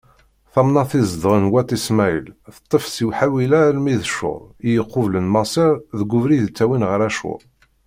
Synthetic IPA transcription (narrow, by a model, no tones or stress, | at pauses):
θɑmnɑθizd̪ˤʁənwæt̪ˤismæə̰lθə̥t̪ˤːəfsiwħawilælmiðʃʊ̰ðˤijəqːʊvlənmɑsˤɪɾðəɡʷʊvɾiðt͡sːæwinʁəɾæʃʊ̰ˤ